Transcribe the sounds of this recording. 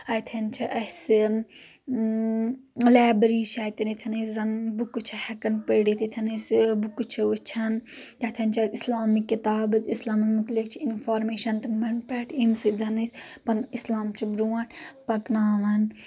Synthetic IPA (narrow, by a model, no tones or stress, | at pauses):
ɐjt̪ʰɐnt͡ʃʰiʔɐsɨ | laːbɾiːʃʰaːjt̪init̪ʰɐnɐszɐnbukːut͡ʃʰɐhɐkɐnpəɽit̪ʰit̪ʰɐnɐsbukut͡ʃʰiʋut͡ʃʰɐnt̪at̪ʰɐnt͡ʃʰɐislaːmikːit̪aːbɨt̪islaːmɐmut̪likt͡ʃʰiinfʰaːɾmeːʃɐnt̪ɐmɐɳpɛːʈʰimsid͡zɐnispɐnislaːmt͡ʃʰibɾuːɐ̃ʈʰpɐknaːʋɐn